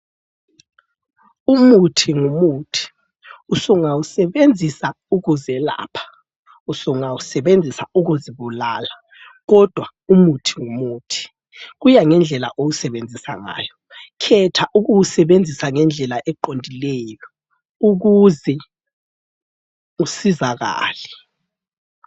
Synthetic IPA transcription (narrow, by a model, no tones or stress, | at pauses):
umutʰiŋumuːtʰi̥ | usɔŋawusɛɓend͡zʱisa | uk̬uzɛla̰ːpʰḁ | usɔŋawusɛɓend͡zʱisauɣ̬uziɓulaːla | ɣ̬ɔd̥ʱwa | umutʰi̥ŋumuːtʰi̥ | ɣ̬ujaŋɛnd͡ɮʱɛla̰ʔowusɛɓend͡zʱisa̰ŋa̰ːjɔ | kʰɛtʰaʔuk̬uwusɛɓend͡zʱisaŋɛnd͡ɮʱɛlaʔɛǃondʱilɛjɔ | uk̬uzɛ | usizaɣa̰ːlɛ